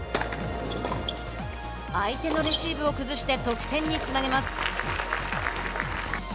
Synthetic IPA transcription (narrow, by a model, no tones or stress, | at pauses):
ait̪e̞no̞ɾʲiɕiːbɯ̟o̞kɯ̟zɨɕi̥t̪e̞t̪o̞kɯ̟̥t̪ẽ̞ɲ̟ːit͡sɨnaɡe̞masɨ̥